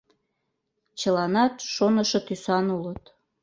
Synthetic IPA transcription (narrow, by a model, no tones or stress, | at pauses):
t͡ɕəlɑnɑt̪ʃonəʃot̪ysɑnulət̪